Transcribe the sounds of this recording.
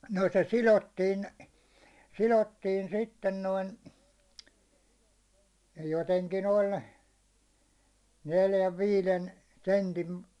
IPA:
no se silotːiːn silotːiːn sitːen noin joteŋkin olʲ neljæʋ ʋiːlen sentin

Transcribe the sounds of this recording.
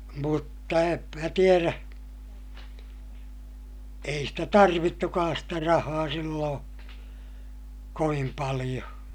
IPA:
mutːɑ em mæ tieræ ei stæ tɑrʋitːukɑːs stæ rɑhɑː silːõː koʋim pɑlij̆o

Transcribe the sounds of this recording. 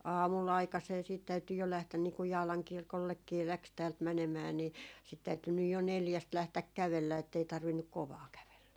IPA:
ɑːmulː ɑikɑseː siːt tæyty jo læhtæn niː kuj jɑːlɑŋ kirkolːekːiː læks tæːlt mænemæː ni sit tæyty nyj jo neljæst læhtæk kæʋelːæ etːei tɑrʋinːuk koʋɑː kæʋelːæ

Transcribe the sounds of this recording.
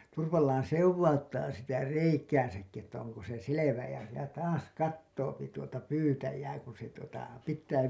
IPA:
turʋɑlːɑːn̞ sewʋɑutːɑː sitæ reikæːsækːi etːæ oŋko se seleʋæ jɑ jɑ tɑːs kɑtːoːpi tuotɑ pyːtæjæː kun̞ se tuotɑ pitˑæː

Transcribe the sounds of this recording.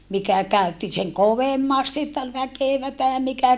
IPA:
mikæ kæy̞tːi seŋ koʋemːɑsti etːæ ol ʋækeˑʋætæ mikæ

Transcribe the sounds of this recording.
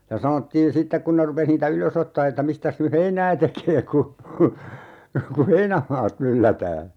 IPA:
jɑ sɑnotːiːn̞ sitːek kun ne rupes niːtæ yløs otːɑː etːæ mistæs ny heinæː tekeː ku ku heinæmɑːt mylːætæː

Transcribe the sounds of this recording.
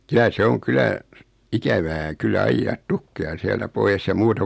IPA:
kylæ se oŋ kylæ ikæʋæː kylːæ ɑijːɑːt tukːejɑ siæltæ poies jɑ muːtɑ

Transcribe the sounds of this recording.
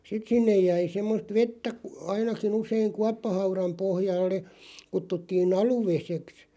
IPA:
sit sinːej jæi semːost ʋetːæ kŭ ɑinɑkin useiŋ kuɑpːɑhɑurɑm̆ pohjɑlːe kutːutːiːn ɑluʋeseks

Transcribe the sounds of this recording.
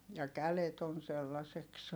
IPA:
jɑ kælet on̞ selːɑseks

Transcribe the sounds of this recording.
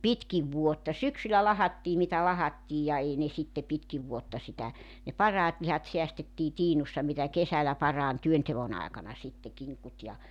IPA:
pitkiʋ ʋuotːɑ syksylæ lɑhɑtːiː mitæ lɑhɑtːiːj jɑ ei ne sitːe pitkiʋ ʋuotːɑ sitæ ne pɑrɑːt lihɑt seæstetːiː tiːnusːɑ mitæ kesælæ pɑrɑːn tyønteʋon ɑekɑnɑ sitːe kiŋkut jɑ

